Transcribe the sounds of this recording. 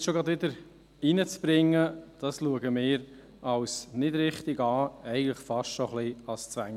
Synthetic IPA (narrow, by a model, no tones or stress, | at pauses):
ʃoɡʁɑdʋɪdəɾ | inət͡sb̥ɾɪŋːəd̥ɑsluəɡəmɪːɾ | ɑwsnɪd̥ɾɪχt̪ɪɡɑːɛɪɡən̩tləχfɑʃʃoχliɑst͡sʋæŋ